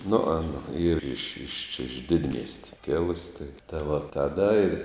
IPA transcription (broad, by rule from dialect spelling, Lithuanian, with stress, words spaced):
nʊ ˈɑːnɐ ˈiːr ɪʃ ɪʃ t͡ʃʲɛ ɪʃ ˈdʲɪdʲmʲiɛsʲtʲɪ ˈkʲɪlˠʊsʲ tɐɪ tɐɪ ʋɐ tɐˈdɐ ɪr